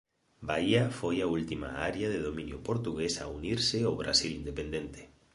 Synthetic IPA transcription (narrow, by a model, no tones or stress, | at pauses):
baiafojault̪ima̰aɾjaðeðomĩnjʊpoɾt̪uɣesa̰uniɾsɪoβɾa̰silind̪epend̪ent̪e̥